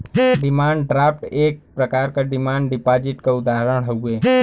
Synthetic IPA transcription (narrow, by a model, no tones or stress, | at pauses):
ɖɪmaːɳɖɖɾaːfʈeːk̚pɾəkaːɾkaɖɪmaːɳɖɖɪpaːd͡ʒɪʈkaʊd̪aːɦɾəɽɦɛueː